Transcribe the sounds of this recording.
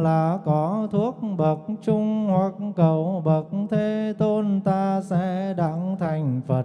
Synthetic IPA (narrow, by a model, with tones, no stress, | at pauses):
laː˨˩kɔ˨˦t̪ʰu˦˥ək̚ɓə˨˩t̚t͡ɕʊ˧ŋ͡mhwa˨˩k̚kə˨˩wɓə˨˩t̚t̪ʰe˧˩t̪o˧nt̪aː˧sɛ̰˧˥ɗa̰˧˥ŋt̪ʰa˨˩jŋ̟fə˨˩